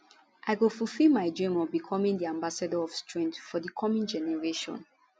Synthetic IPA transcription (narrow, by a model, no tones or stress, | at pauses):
ʔaɪɡofufilmaɪdɹĩmɔbikʰɔmĩŋdiãmbasadəɔv̥stʰɹɛ̃ntfɔdəkʰɔmɔ̃nd͡ʒɛnɛɹeʃɔ̰̃n